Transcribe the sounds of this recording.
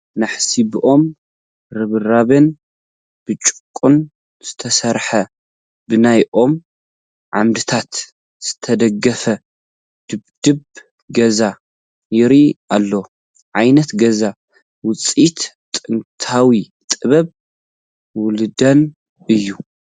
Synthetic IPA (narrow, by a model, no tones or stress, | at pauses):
naħsibʔo̞m | ɾɨβɨraβɨn | b̥ɨt͡ʃʼɨ̥kʼːun | z̥ɨt̪ʰɐsɐɾħɐ | bɨnajʔo̞m | ʕamd̪ɨt̪ʰat̪ | z̥ɨt̪ʰɐd̪ɐɡɐfɐ | d̪̥ɨbd̪̥ɨb | ɡɐza | jɪɾiʔalːow | ʕajnɐt̪ɡɐza | wʊt͡sʼit̪ | t̪ʼɨnt̪ʰawi | t̪ʼɨβɐβ | wʊlɨd̪ɐn | ɨjːu